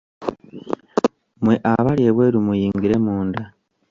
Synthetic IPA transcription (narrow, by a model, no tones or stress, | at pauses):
mwe̞ʔaβalje̞βwe̞ːɾumujiːŋɡiɾe̞muːnda